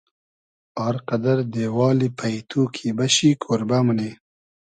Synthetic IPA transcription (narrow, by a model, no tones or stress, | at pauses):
ɑːɾqad̪ɐɾd̪eːwɑːlipʰajt̪ʰuːkʰibɐɕikʰoːɾbaməne